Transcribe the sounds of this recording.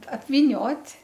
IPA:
ɐpʲʋʲiːˈnʲoːtʲ

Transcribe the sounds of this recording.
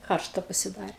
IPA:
ˈkɐrʃtɐ pɐsʲɪˈdɑːrʲeː

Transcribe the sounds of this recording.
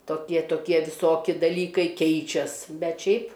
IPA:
toːˈkʲiɛ toːˈkʲiɛ ʋʲɪˈsoːkʲɪ dɐˈlʲiːkɐɪ ˈkʲɛɪt͡ʃʲɛs ˈbʲɛt ˈʃʲɛɪp

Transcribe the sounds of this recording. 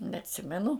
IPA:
nʲɛɐtʲˈsʲɪmʲɛnʊ

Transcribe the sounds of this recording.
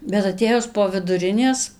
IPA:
bʲɛt ɐˈtʲeːjʊs poː ʋʲɪdʊˈrʲɪnʲeːs

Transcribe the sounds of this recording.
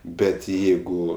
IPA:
ˈbʲɛt ˈjɛɪɡʊ

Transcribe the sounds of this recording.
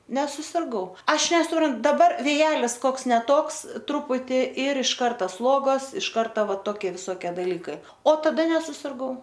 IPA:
nʲɛsʊsʲɪrˈɡɐʊ ˈɐʃ nʲɛsʊˈprɐn dɐˈbɐr ʋʲeːˈjæːlʲɪs ˈkoːks nʲɛ ˈtoːks ˈtrʊpʊtʲɪ ɪr ɪʃ ˈkɐrtɐ ˈslˠuɔɡoːs ɪʃ ˈkɐrtɐ ˈʋɐ toːˈkʲɪ ʋʲɪsoːˈkʲiɛ dɐˈlʲiːkɐɪ oː tɐˈdɐ nʲɛsʊsʲɪrˈɡɐʊ

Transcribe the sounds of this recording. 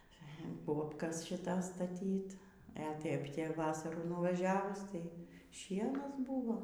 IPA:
ˈboːpkɐs ʃʲɪˈtɐs stɐˈtʲiːt ɛ ˈtʲeːp tʲɛ ˈʋɑːsɐruː nʊʋɐˈʒʲæːʋʊs ˈtɐɪ ˈʃʲiɛnɐs ˈbuːʋoː

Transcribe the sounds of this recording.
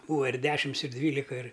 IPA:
ˈbuːʋɐ ɪr ˈdʲæːʃʲɪms ɪr ˈdʲʋʲiːlʲɪkɐ ɪr

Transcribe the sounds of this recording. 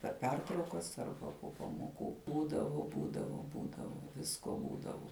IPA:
pʲɛr ˈpʲɛrtrɐʊkɐs ˈɐrbɐ poː pɐmoːˈkuː ˈbuːdɐʋʊ ˈbuːdɐʋʊ ˈbuːdɐʋʊ ˈʋʲɪskoː ˈbuːdɐʋʊ

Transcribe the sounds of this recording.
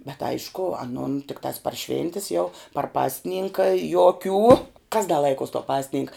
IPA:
bʲɛt ˈɐɪʃkʊ ɐˈnʊn tʲɪkˈtɑːs pɐr ˈʃʲʋʲɪnʲtʲɪs jɛʊ pɐr ˈpɑːsʲˌnʲɪŋkɐ joːˈkʲuː kɐs dɐ ˈlˠɐɪkuɔs toː ˈpɑːsʲˌnʲɪŋkɐ

